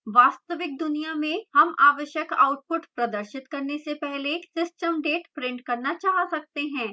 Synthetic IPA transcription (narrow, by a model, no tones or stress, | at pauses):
ʋaːst̪əʋɪk̚d̪ʊnijamẽhɐmaːʋəʃjəka̰ːʊʈ̚pʊʈpɾɐd̪əɾʃɪt̪kɐɾnesepɛɦlesɪsʈəmɖeːʈpɾɪ̃ɳɖkɐɾnat͡ʃaːɦsɐk̚t̪eɦɛ̃ː